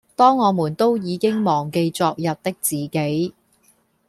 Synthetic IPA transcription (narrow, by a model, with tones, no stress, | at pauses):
t̪ɔː˥ŋːɔː˨˧muː˨˩nt̪o˥wjiː˨˧kɪ˥ŋmɔː˨˩ŋke˧jt͡sɔː˧k̚jɐ˨p̚t̪ɪ˥k̚t͡siː˨ke˨˥j